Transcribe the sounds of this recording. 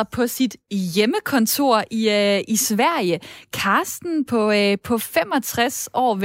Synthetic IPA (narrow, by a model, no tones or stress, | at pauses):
ɐpʰɒ̽sid̥jeməkʰɒ̽nt͡sʰo̝ɐ̰ʔiisʋæɐ̰jəkʰɑ̈ːsd̥n̩pʰɒ̽pʰɒ̽fem̰ɒ̽t͡sʰʁasɒ̰ːʋ